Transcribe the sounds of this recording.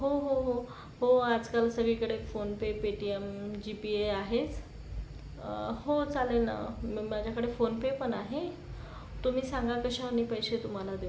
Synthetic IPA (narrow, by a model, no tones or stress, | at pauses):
ɦoɦoɦo | hoad͡zkalsəɡɭikəɽefonpepeʈiemd͡ʑipieaɦet͡s | hot͡salena̰mad͡ʑʱjakəɽefonpepəɳaɦe | t̪um̤iːsãŋɡakəɕaaniːpəjɕet̪um̤alad̪e